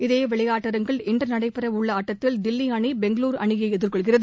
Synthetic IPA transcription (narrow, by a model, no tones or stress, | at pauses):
ɪðeːʋɛɭɐjaːʈːɐɾɐŋɡɐɭɪndrɐnɐɽɐɪpɪɾɐʊɭːɐːʈːɐt̪ːɪld̪ɪlːiɐɳibɛŋɡɐɭuːɾɐɳɪjɐɪɛðɪrkɔɭɣɪrɐðɯ